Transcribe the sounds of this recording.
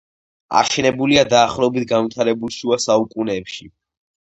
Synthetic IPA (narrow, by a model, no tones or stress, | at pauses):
a̰ʃɛnɛbuliad̪aːχlˠɔɛbit̪̚ʰɡanvit̪ʰaɾɛbulˠʃuasaukʼunɛːpʃi